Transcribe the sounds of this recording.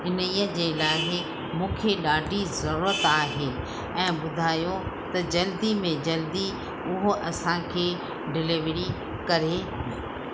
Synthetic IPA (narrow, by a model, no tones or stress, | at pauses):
ɪniːəd͡ʑeːlaːɦɪ | mũːkʰeɗaːɖʱizɐɾuːɾət̪aːɦeː | ɛ̃ːɓʊd̪ʱaːjot̪ɐd͡ʑɐld̪imẽd͡ʑɐld̪i | ʊɦoʔɐsãkʰeː | ɖɪlɪʋɾi | kɐɾe